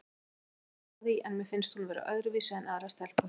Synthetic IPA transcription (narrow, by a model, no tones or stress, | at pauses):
aðiʔɛnmɛ̥fɪnst̪hunavɛːɾa̰ʔœðɾʏviːsaɛnaðɾast̪ɛlpa